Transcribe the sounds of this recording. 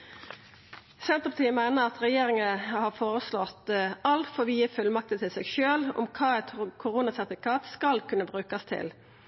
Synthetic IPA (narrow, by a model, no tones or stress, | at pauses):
sɛnt̪əpɑ̥t̪ʰiːəmæɪnəʁɑt̪ʁɛjeːɾɪŋəhɑːfoːɾəslɔt̪ɑlt̪fɔʋiːəfʉlmɑk̚t̪ət̪ʰɪlsɛɡʃøːlʊ̰mkʰɑːɛt̪kʰʊɾuːnɑsɛʁt̪ɪfɪkʰɑːt̪skɑlkʰʉnːəbʁʉːkɑst̪ʰɪ̰l